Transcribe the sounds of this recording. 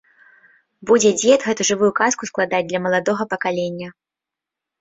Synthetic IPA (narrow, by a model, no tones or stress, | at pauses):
bud͡zʲɛd͡zʲɛt̪ɣɛt̪uʐɨvujukaskusklˠad̪ad͡z̚ʲd̪lʲɐmɐlˠad̪ɔɣɐpɐkalʲenʲːɐ